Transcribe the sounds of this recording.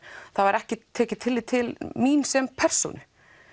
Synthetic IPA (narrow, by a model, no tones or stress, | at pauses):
θavaɾɛhcɪt̪ʰːɛːcɪt̪ʰɪlːɪt̪ʰɪlminsɛmpʰɛr̥so̰wnʏ